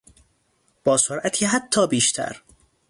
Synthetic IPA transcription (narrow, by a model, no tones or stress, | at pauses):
b̥ɒːsoɾʔæt̪ʰiːɦæt̪ʰːɒːbiːʃt̪ʰæ̰ɾ